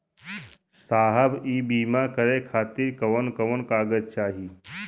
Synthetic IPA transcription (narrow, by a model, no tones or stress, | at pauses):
saːɦəbiːbiːmakəɾekʰaːt̪iɾkɐʋənkɐʋənkaːɡəd͡ʒt͡ʃaːɦiː